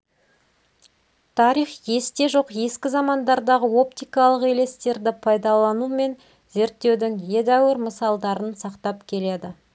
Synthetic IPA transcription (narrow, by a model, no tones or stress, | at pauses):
t̪ʰɑɾiχje̞st̪e̞ʒo̞qje̞skʲɪzɑmɑnd̪ɑɾd̪ɑʁəo̞pt̪ijkɑlˠəqele̞st̪e̞ɾd̪ɪpʰɑjd̪ɑlˠɑnume̞n | ze̞ɾt̪ːe̞wd̪ɪŋje̞d̪æwɪɾməsɑlˠd̪ɑɾənsɑqt̪ɑpkʲʰe̞le̞d̪ɪ